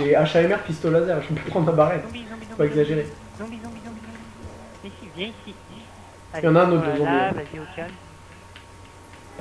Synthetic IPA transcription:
eaʃaɛmɛʁpist̪olazɛʁʒəvəpøpχɑ̃d̪ʁɛ̃baʁɛnfwaɛɡzaʒeʁe | jɑ̃naɛ̃not̪̚d̪əzɑ̃d̪ə

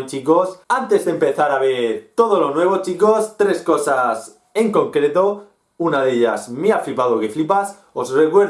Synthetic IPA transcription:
nt͡ʃiko̞sant̪e̞zðempe̞θaɾaβ̞eɾt̪o̞ð̞o̞lo̞nwe̞β̞o̞t͡ʃiko̞st̪ɾe̞sko̞sas | e̞ŋko̞ŋkɾe̞t̪o̞ | unaðe̞ʎa̰zmiaflipaðoke̞flipas | osre̞kwe̞ɾ

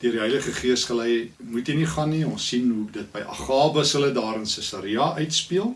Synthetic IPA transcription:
d̥iərdiɦɛjləχəχiəsχəlɛjmutiniχɐnːiɔ̃nsːinɦuədət̚bəjʔɐ̰χɑːbəsələdɑːɾənsəsɑɾiɐʔœɥtspiəlˠ

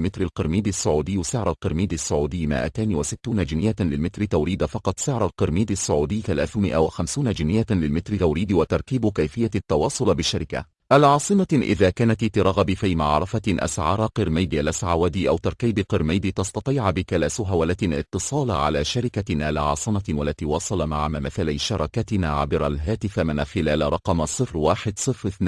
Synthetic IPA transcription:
mɪt̪ɾalqɨɾmiːd̪ɪsːʊʕuːd̪ɪjːsɪʕɾˤalqɨɾmiːd̪asːʊʕuːd̪ɪjːmɪ̰ʔa̰t̪aːniwasɪt̪ːuːnad͡ʒɪnɪjːalɪlmɪt̪ɾɪt̪awɾiːd̪afɑqɑt̪ˤsɪʕɾˤalqɨɾmiːd̪asːʊʕuːd̪ɪjːθalaːθʊmɪʔa̰waxamsuːnad͡ʒɪnɪjːalɪlmɪt̪ɾɪt̪awɾiːd̪wat̪ɑɾˤkiːbkajfɪjːat̪ːɑwɑːsˤʊlbɪʃːaɾɪka̰ | ʔalʕɑːsˤɨmaʔɪ̰ðaːkaːnat̪t̪ɪɾˤɑɣbifiːmaʕɾˤɑfaʔa̰sʕɑːɾˤɑqɨɾmajd̪iʔalʔasʕawad̪iʔawt̪ɑɾˤkiːbqɨɾmajd̪it̪ɑsˤt̪ɑt̪ˤiːʕbɪkalaːsʊɦawalat̪ɪ̰t̪ːɨsˤɑːlʕa̰laːʃaɾɪkanalaʕɑ̰ːsˤɨmawalːat̪iːwɑsˤɑlɑmaʕamamaθalajʃɑɾˤɑkat̪ɪnaːʕa̰bɪɾˤalɦaːt̪ɪfamɪnaxɪlaːlɾˤɑqɑmsˤɨfɾwaːħɪd̪sˤɨfɾɪθn

